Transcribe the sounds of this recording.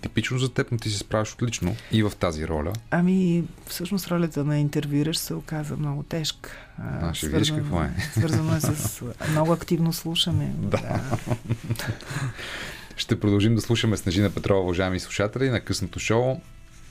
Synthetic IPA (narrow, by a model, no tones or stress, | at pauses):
t̪ipit͡ʃnozɐt̪ɛpnot̪is̬ispɾavɛʃo̥t̪lit͡ʃnoivɐft̪aziɾɔ̰lʲə̰ɐmifsɤʃnost̪ɾɔlʲət̪ənɐint̪ɛɾvjuɾəʃsɛʊkazvə̰mnɔɡʊt̪ɛʃkə̥ | naʃiviəɛzʃkənkvɔɛ̰svɤɾzənoɛsəsmnɔɡʊɐkt̪ivnoslˠuʃəmɛd̪aa | ʃt̪ɛpɾod̪ɐlˠʒimd̪ɐslˠuʃəmɛsnɐʒinɐpɛt̪ɾɔvɐvɐʒaɛmislˠu̥ʃat̪ɛlʲinɐkɤsnot̪oʃoʊ